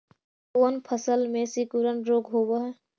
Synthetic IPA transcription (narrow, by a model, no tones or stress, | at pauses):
ənpʰəsəlmẽsikuɾənɾoɡɦobəɦɛ